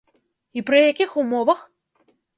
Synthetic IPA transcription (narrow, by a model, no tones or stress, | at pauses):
ipɾɨjakʲixumɔvɐx